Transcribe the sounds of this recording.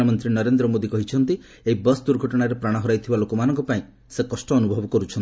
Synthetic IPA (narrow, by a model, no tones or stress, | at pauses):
ɔmɔnt̪ɾinɔɾend̪ɾɔmod̪ikɔɦit͡ʃʰɔnt̪i | eɦibʌsd̪uɾɡʱɔʈɔɽ̃aɾepɾaɽ̃ɔɦɔɾajt̪ʰibalokɔmanɔŋkɔpaĩ | sekɔsʈɔːnubʱɔbɔkɔɾut͡ʃʰɔni